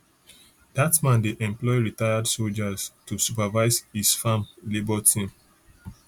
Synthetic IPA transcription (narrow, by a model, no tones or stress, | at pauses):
d̥atmãndeʔɛ̃mplɔɪɹitaɪadsold͡ʒaztusupavaɪzhisfãmlebɔtʰĩm